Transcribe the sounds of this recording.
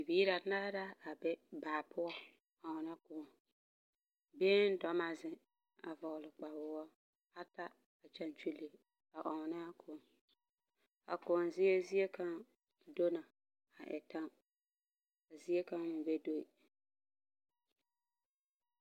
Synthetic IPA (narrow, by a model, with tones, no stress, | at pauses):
i˨biː˦ɾa˨˦na˦ɾa˦a˨bɛ˦baː˨pʰʊ˦ɔ˦ | ɔ˨ŋɔ˨na˦kʊ˨ɔ˨ | beː˦n˦dɔ˨ma˨zɪ˨ | a̰˨vɔ˨lɪ˨k͡pa˨wʊ˦ɔ˦ | a˦ta˦ | a˨t͡ʃa˨nt͡ʃu˦le˨ | a˨ʔɔ˨ŋ˨na˦kʰʊ˨n | a̰˨kʊ˨nzɪ˦e˦zi˦e˦ka˦ŋ | do˦na˨ | a˨ʔɛ̰˨ta˦ | a˨zi˦e˦ka˦ŋ˦ʊ˨be˦do˦i˨